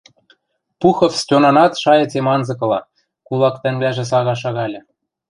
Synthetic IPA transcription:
puxɤ̆fstʲonɑnɑt̪ʃɑjɤ̆t͡semɑnzɤ̆kɤ̆lˠɑ̰ | kulˠɑkt̪ɘ̆ŋβlæʒĕs̬ɑɣɑʃ̬ɑɣɑlʲɤ̆

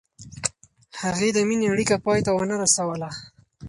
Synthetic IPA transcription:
haɣed̪əmineaɽikapɑjt̪awənaɾasawəla

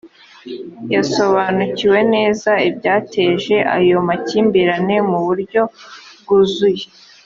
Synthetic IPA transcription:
jaso̞βanuciwe̞ne̞ːzaibɟaːtʰe̞ːʒe̞ʔa̰jo̞maciːmbiɾane̞muβuɾɟo̞b̚ɡuzuje

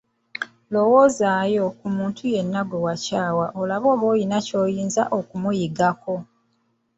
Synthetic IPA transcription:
lo̞woːzaːjo̞kumuːntʰuje̞nːaɡwe̞wacaːwaʔolaβo̞ːβo̞ːjinaco̞ːjiːnza̰ʔo̞kumujiɡako̞

